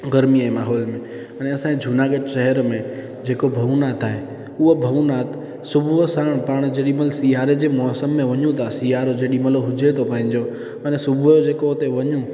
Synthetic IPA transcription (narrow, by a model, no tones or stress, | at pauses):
ɡəɾmiaːemaːɦɔːlmẽ | əneɐsãːẽd͡ʒʱʊnaːɡəʈʃɛɦəɾmẽ | d͡ʒeːkobʱɐʋnaːt̪aːɦe | ʊɦobʱɐʋnaːt̪ | sʊbʱʋsaːɽ̃pəɽ̃d͡ʒeːɗiməlsijaːɾed͡ʑeːmɔːsəmːẽʋɐɲũt̪ʰasijaːɾod͡ʒeːɗimɐloɦʊd͡ʒet̪ʰopãːɪ̃ɲd͡ʒo | ənɛsʊbʱjod͡ʒeːkot̪eʋɐɲũ